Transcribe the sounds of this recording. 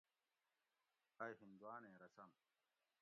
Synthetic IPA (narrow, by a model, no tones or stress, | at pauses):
aːjhind̪uwaːnẽːɾɐsɐm